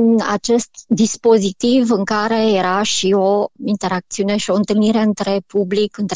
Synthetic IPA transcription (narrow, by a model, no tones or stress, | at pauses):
na̰t͡ʃe̞st̪d̪ispo̞zit̪ivɨŋkaɾe̞je̞ɾaʃio̞int̪e̞ɾak̚t̪siune̞ʃio̞ɨnt̪ɨlniɾe̞ɨnt̪ɾe̞publikɨnt̪